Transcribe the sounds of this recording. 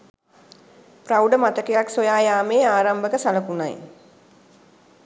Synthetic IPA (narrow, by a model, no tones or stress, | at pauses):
prawɖəmat̪əkejaksojaːjaːmeːaːɾambəkəsaləkuna̰j